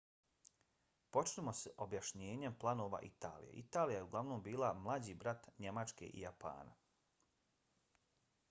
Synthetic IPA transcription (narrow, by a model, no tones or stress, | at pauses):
po̞t͡ʃnemo̞sʔobjaʃɲeːɲe̞mplˠanoːʋa̰ʔit̪a̰ːlḭjḛʔit̪aːlijaje̞uɡlˠaʋnombiːlˠamlˠad͡ʑiːbɾat̪ɲe̞mat͡ʃke̞̰ʔḭjapa̰ːna̰